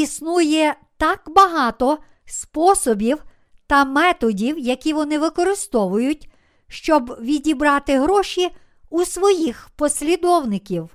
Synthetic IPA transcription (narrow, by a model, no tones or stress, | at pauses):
isnujɛ | t̪ɑkbɐɦɑt̪ɔ | spɔsɔbʲiw | t̪ɐmɛt̪ɔdʲiwjɐkʲiʋɔnɪʋɪkɔɾɪst̪ɔʋʊjʊtʲ | ʃt͡ʃɔbʋʲidʲibɾɑt̪ɪɦɾɔʃʲi | usʋɔjixpɔsʲlʲid̪ɔwnɪkʲiw